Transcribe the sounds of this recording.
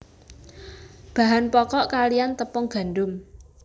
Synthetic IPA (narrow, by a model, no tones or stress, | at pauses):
b̥a̤ɦanpɔkɔʔkalijant̪əpɔŋɡ̥a̤nɖʊm